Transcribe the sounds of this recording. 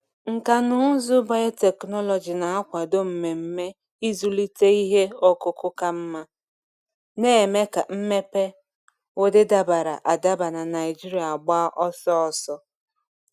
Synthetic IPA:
ŋ̩˨ka˨nʊ˦zʊ˦ba˨je˦te˨knɔ˦lɔ˨d͡ʒi˨na˨a˦kʷa˨do˦m̩˨me˨m̩˦me˦ | i˦zu˦li˦te˦i˦ɦe˦ɔ˦kʊ˦kʊ˦ka˦m̩˦ma˦ | ne˦e˨me˦ka˨m̩˦me˦pe˦ | o˦dɪ˦da˦ba˨ɾa̰˨ʔa˨da˦ba˨na˨na˨ɪ˨d͡ʒi˦ɾi˨˦a˨ɡ͡ba˦a˦ʔɔ˦sɔ˦ɔ˨sɔ˦

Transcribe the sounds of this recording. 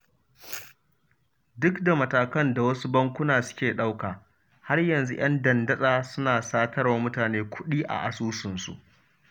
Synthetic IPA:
dʊ˦kda˨mɐ˨taː˨kɐ˦nda˨wɐ˦su˦bɐ˦ŋkʷʊ˦naː˨sʊ̥˦kʲeː˨ɗa˦wkaː˨ | ha˦rjɐ˨nzu˦ʔɐ˦ndɐ˨ndɐ˦sʼaː˨sʊ˦naː˨saː˦tʰɐ˦ɽwaː˦mʊ˦taː˨neː˦kʷʰʊ˦ɗiː˦ʔa̰˨ʔa˨suː˦sɪ˨nsṵ˨ʔ

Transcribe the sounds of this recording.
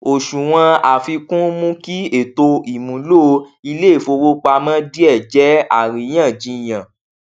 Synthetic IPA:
o˨ʃũ˨w̃ã˧a˨fi˧kũ˦mũ˦ki˦e˨to˧i˨mũ˨˦lo˦i˧le˦e˦˨fo˧wo˦k͡pa˧mã˦di˦ɛ˦˨d͡ʒɛ˨˦a˨ɾĩ˨˦j̃ã˦˨d͡ʒĩ˧˨j̃ã˨

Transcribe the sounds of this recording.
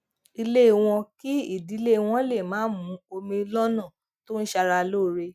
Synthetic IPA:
i˧le˦˨w̃ɔ̃˧ki˦i˦˨di˨˦le˦˨w̃ɔ̃˦le˦˨mãː˨˦mũ˨˦o˧mĩ˧lɔ˦nã˦˨ | to˦n̩˦ʃa˧ɾa˧lo˦˨˦ɾe˧

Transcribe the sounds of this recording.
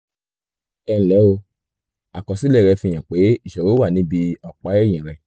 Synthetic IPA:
ɛ̃˧˨lɛ˨˦o˧ | a˨kɔ˨si˦lɛ˦˨ɾɛ˧fĩ˧˨ã˨k͡pe˨˦i˦˨ʃɛ˨ɾo˨˦wa˦˨nĩ˨˦bi˧ɔ˨k͡pa˨˦ɛ˦˨j̃ĩ˨ɾ̃ɛ̃˨

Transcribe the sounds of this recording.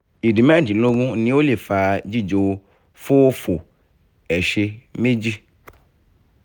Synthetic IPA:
i˨di˨m˦ã˦˨d͡ʒi˨lo˦ɡũ˦nĩ˨˦wo˦le˨fa˨d͡ʑi˦d͡ʒo˨˦ | fo˦wo˦fo˨ | ɛ˨ʃe˧mẽ˦d͡ʑi˦

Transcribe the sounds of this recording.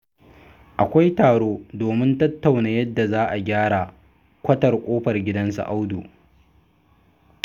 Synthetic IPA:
ʔa˨kʷa˦jtaː˨ɽoː˦doː˨mɪ˦ntɐ˦tːa˨wnaː˨jɐ˦dːa˨zaː˦ʔa˨ɡʲaː˦ɽa˨ | kʷɐ˦tɐ˨rkʷʼoː˦ɸɐ˨rɡʲɪ˦dɐ˦nsa̰˨ʔa˦wduː˨

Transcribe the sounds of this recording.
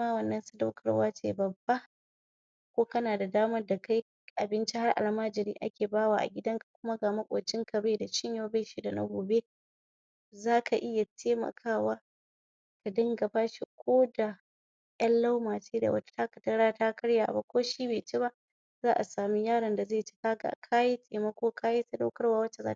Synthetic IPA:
maː˦wɐ˨nːɐ˦nsʊ˦da˦wkʰɐ˨ɽwaː˦t͡ʃḛː˦bɐ˨bːa˦ | kʷoː˦kɐ˦naː˨da˨daː˦mɐ˦da˨ka˦j | ʔa˨bɪ˦nt͡ʃi˦ha˦rʔa̰˨lmaː˦d͡ʒɪ˨niː˦ʔa̰˦kʲeː˨baː˦waː˨ʔa̰˨ɡʲɪ˦dɐ˦ŋkḁ˨kʷʊ˦ma˦ɡaː˨mɐ˦kʷʼoː˨t͡ʃɪ˦ŋkʰɐ˨beː˦da˨t͡ʃɪ˦ɲja˦ba˦ʃi˦da˨na̰˦ɡʷoː˨be˦ | zaː˦kʰa˨ʔɪ˦ja˨tʰeː˦mɐ̰˨kʰaː˦˨waː˦ | ka˨dɐ˦ŋɡɐ˨baː˦ʃi˦kʷoː˦da˨ | jɐ˦nla˦wmaː˨t͡ʃeː˦da̰˨wɐ̰˦tḁ˦ta˦kɐ̥˨tɐ˦ɽaː˦taː˦kɐ˦ɽja̰ː˨ba̰˦kʷoː˦ʃiː˦beː˨t͡ʃe˦βa˦ʔ | zaː˦ʔa˨saː˨mi˦jaː˦ɽɐ˨˦nda˨ze˦˨t͡ʃe̥˦kaː˦ɡa̰˨kʰa˦ji˦tʼeː˨mɐ˦kʷoː˦kaː˦ji˦ta˦da˦wkɐ˦rwaː˦wɐ˦t͡ʃːe˨za̰ː˦t

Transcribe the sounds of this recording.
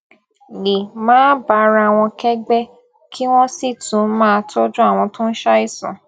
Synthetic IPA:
li˨mãː˦ba˨˧ɾa˧˨w̃ɔ̃˧kɛ˦ɡ͡bɛ˦ | kʰi˦w̃ɔ̃˦si˦˨tũ˨˦mãː˦˧tʰo˦d͡ʒũ˦a˦˨w̃ɔ̃˧tũ˦n̩˦ʃa˦i˦˨sṵ̃˨

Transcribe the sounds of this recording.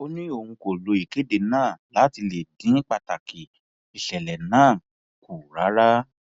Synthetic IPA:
o˦nĩ˦o˨hũ˧ko˨lo˨˧i˨ke˨˦de˧nãː˦˨la˨˦ti˧le˨dĩ˨˦k͡pa˧˨ta˨ki˨ | i˨ʃɛ˨lɛ˨nãː˦˨ | ku˨ɾa˨˦ɾa˦

